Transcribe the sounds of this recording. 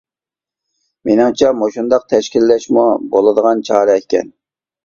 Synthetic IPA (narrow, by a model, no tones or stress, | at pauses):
menɨŋt͡ʃʰɛmoʃund̪ɑq̚t̪ʰɛʃkʲilːɛʃmubolˠɨd̪əʁɑnt͡ʃʰɑːɾɛɛkʲɛ̰n